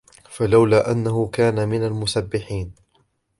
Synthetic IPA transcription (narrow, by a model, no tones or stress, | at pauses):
falawlaːʔanːahʊkaːnamɪnalmʊsabːɪħiːn